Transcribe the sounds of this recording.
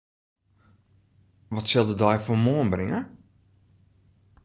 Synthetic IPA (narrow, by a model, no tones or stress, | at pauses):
ʋɔtsɛlˠdədɔjfomoənbrɪŋə